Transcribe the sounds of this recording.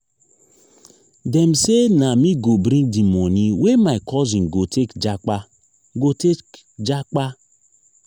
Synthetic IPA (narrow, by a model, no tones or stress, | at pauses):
dɛm̩senamiɡobɾĩdimɔniwemaikɔzĩnɡotekd͡ʒak͡pa | ɡote | d͡ʒak͡pa